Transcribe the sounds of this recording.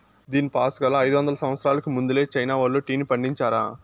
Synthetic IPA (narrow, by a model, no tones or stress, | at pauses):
d̪iːnipaːsɐɡɐlːaːɐjd̪uʋɐnd̪ɐlɐsɐmʋɐt̪sɾaːlɐkumund̪ule̞ːt͡ʃɐjnaːʋɐɭːuːʈiːnipɐɳɖiɲt͡ʃaːɾa̰ː